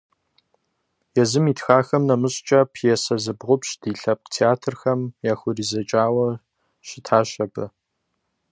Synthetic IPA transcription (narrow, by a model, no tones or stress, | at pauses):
jɛzɨmiːtxaːxɐmnɐmɨɕʼt͡ʃʼɐpʰjɛsɐzɨbʁʷʊpɕd̥iːɬɐp̚qtʰeaːtʰɨrxɐmjaːxʷʊriːzɐt͡ʃʼaːwɐ | ɕɪtʰaːɕɐbɐ